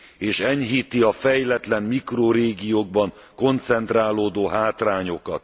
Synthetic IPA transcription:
eːʃɛɲɦiːt̪iɒfɛjlɛt̪lɛmmikroːɾeːɡijoːɡ̚bɒŋ | ko̞nt̪sɛnt̪raːloːd̪oːɦaːt̪raːɲo̞kɒt̪

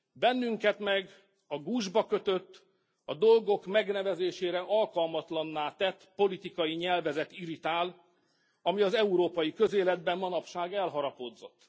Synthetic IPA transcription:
bɛnːyŋkɛt̪mɛɡ | ɒɡuːʒbɒkø̞t̪ø̞t̪ː | ɒd̪o̞lɡo̞kmɛɡnɛvɛzeːʃeːɾɛʔɒlkɒlmɒt̪lɒnːaːt̪ɛt̪ːpo̞lit̪ikɒjiɲɛlvɛzɛt̪iɾit̪aːl | ɒmiɒzɛuɾoːpɒjikø̞zeːlɛd̪̚bɛmmɒnɒpʃaːɡɛlɦɒɾɒpod̪zo̞t̪ː

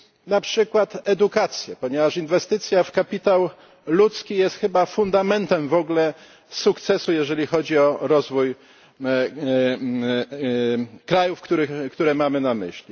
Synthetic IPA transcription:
napʂɘkwat̪ɛd̪ukat̪sʲjɛpɔɲɛvaʂinvɛst̪ɘt̪sʲjafkapʲit̪aw | lut̪skʲijɛst̪xɘbafund̪amɛnt̪ɛmvɔɡlɛ | sukt̪sɛsujɛʐɛlʲixɔd͡ʑiɔɾɔzvuj | kɾajufkt̪uɾɘkt̪uɾɛmamɘnamɘ̰ɕlʲi

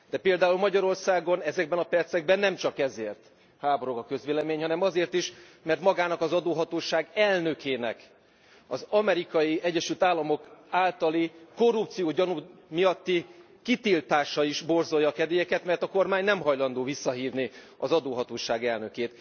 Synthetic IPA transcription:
d̪̥ɛpeːld̪aːulmɒɟɒɾo̞rsaːɡo̞nɛzɛɡ̚bɛnɒpɛrt̪sɛɡ̚bɛnːɛmt͡ʃɒkɛzeːrt̪ | haːboɾo̞ɡɒkø̞zʋeːlɛmeːɲhɒnɛmɒzeːrt̪iʃ | mɛrt̪mɒɡaːnɒkɒzɒd̪oːɦɒt̪oːʃaːɡɛlnø̞kʰeːnɛ̰k | ɒ̰zɒmɛɾikɒjiɛɟːɛʃylt̪aːlːɒmo̞kaːlt̪ɒliko̞rup̚t̪sijoːɟɒnumijɒt̪ːi | kit̪ilt̪aːʃɒiʃbo̞rzo̞jːɒːkɛd̪ejɛkɛt̪mɛrt̪ɒko̞rmaːɲnɛmɦɒjlɒnd̪oːvisːɒɦiːvni | ɒzɒd̪oːɦɒt̪oːʃaːɡɛlnø̞keːt̪

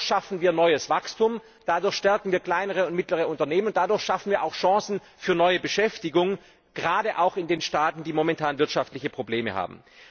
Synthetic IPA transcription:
ʃafn̩viːɐnɔʏəsv̥akstʊm | d̥adʊɐçʃtɛɐkŋ̩viːɐkl̥aɪnəʁəʊnt̚mɪtləʁ̞əʊntɐneːmənʊnd̥adʊɐçʃafn̩viːɐʔaʊxʃɑ̃ːsn̩ | fyːɐnɔʏəbəʃɛftɪɡʊŋ | ɡ̥əʁaːdəʔaʊxɪndeːnʃtaːtn̩diːmomɛntʰaːnvɪɐtʃaftlɪçəpʁ̥obleːmə̰ha̰ːb̚m̩

